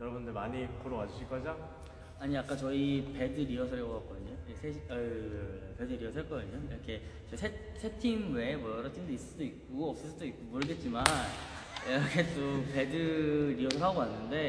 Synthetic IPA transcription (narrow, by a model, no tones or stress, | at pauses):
jʌɾʌbundɯɭmaɲikoɾoɡad͡ʑuɕʰiɭk͈ʌd͡ʑa | aɲiak͈at͡ɕʌipe̞dɯɾiʌsʰʌekoak͈ʌdɯɲoiesʰeɕʌ | pe̞dɯɾiʌsʰʌɭk͈ʌdɯɲoiɾʌkʰe̞t͡ɕʌisʰe | sʰe̞tʰimwe̞mwʌjʌɾʌtʰimdois͈ɯdoikk͈oʌp̚s͈ʌs͈ɯdoik͈omuɾɯɭɡe̞t̚t͡ɕ͈iman | iʌkʰet͈ope̞dɯɾiʌsʰʌɾɦaɡoanːɯnde̞